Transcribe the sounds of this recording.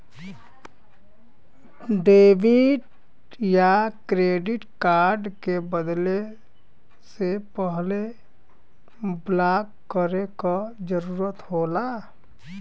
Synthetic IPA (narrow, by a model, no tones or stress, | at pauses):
ɖeːbɪʈ | jakɾeːɖɪʈkaːɾɖkebəd̪le | sepəɦle | blaːkːəɾekad͡ʒəɾuːɾət̪hoːla